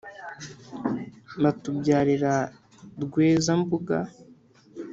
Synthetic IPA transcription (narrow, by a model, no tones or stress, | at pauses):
matubɟaːɾiɾa | ɾɡweːzambuɡa